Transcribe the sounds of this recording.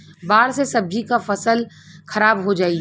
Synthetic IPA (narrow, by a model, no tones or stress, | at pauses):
baːɾsesɐbd͡ʒikafɐsəl | xɐɾaːbɦod͡ʒaːi